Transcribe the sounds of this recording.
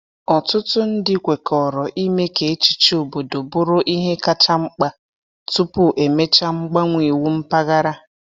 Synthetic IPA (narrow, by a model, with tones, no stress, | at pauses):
ɔ˨tʊ˦tʊ˦n̩˦dɪ˦kʷe˨kʰɔ˨ɾɔ˨ʔi˦me˦ke˨e˦t͡ʃi̥˨t͡ʃo˨bo˨do˨bʊ˦ɾʊ˦ʔi˦ɦe˦ka˦t͡ʃa˦ŋ͡m̩˦k͡pa˦ | tu˦pʊ˦ʔe˨me˦t͡ʃa˦ŋ͡m̩˦ɡ͡ba˦ŋʷi˨wu˦m̩˦pa˦ɣa˦ɾa˦